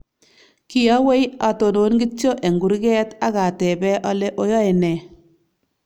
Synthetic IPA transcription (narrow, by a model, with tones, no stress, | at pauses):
kɪ˨ja˦we˦ja˨to˨no˨˦nɡɪ˦t͡ʃo˦ʔe˨ŋɡu˨ɾɡɛ˦ta˦ɣa˨tɛ˨bɛ˦ʔɔ˦le˦ʔo˦jɔ˦e˨nɛ˨